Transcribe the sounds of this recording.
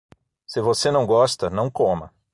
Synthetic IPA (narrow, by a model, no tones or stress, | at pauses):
sɪvosenɐ̃w̃ɡɔst̪ɐnɐ̃w̃kõmɐ̰